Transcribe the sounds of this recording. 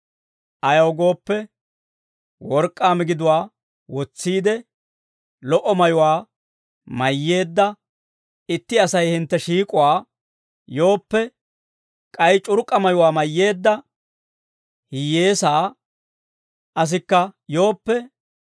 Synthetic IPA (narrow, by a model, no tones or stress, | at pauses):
ʔɐjɐwɡo̞ːpːɛ | wɔɾkʼːaːmɪɡɪd̪ʊwaː | wɔt͡sːiːd̪ɛ | lɔʔɔmɐjʊwaː | mɐjːe̞ːd̪ːɐ | ɪt̪ːɪɐsɐjhɪnt̪ːɛʃiːkʼʊwaː | jo̞ːpːɛ | kʼɐjt͡ʃʼʊɾkʼːɐmɐjʊwaːmɐjːe̞ːd̪ːɐ | hɪje̞ːsaː | ʔɐs̬ɪkːɐjo̞ːpːɛ